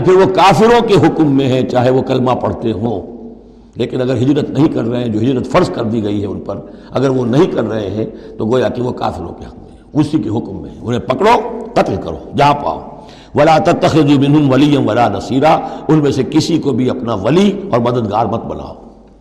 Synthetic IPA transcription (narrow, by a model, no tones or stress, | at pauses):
pʰɪɾʋokaːfɪɾõkeɦʊkmːẽɦɛ̃t͡ʃaːɦeʋokɐlmapɐɽ̤t̪eɦõː | leːkɪnɐɡəɾɦɪd͡ʒɾət̪nɐɦĩkɐɾːɐɦẽɦɛ̃d͡ʒoːɦɪd͡ʒɾət̪fɐɾzkɐɾd̪iɡɐiɦɛʊnpɐɾɐɡəɾʋonɐɦĩkɐɾːɐɦẽɦɛ̃t̪oɡoːjakiʋoka̰ːfɪɾõ̰keɦʊkmẽɦɛ̃ʊsikeɦʊkmːḛ̃ɦɛ̰̃ʊnɦẽpɐkɽoqɐt̪lkɐɾo̰ːjɐɦãpa̰ːo̰ː | ʋɐlaːt̪ɐt̪ːɐxɪðumɪ̃nɦʊmʋɐlijːɐnʋɐlaːnɐsiːɾaʊnmẽsekɪsikobʱiɐpnaʋɐliɔːɾmɐd̪əd̪ɡaːɾmɐk̚bɐ̰la̰ːo̰ː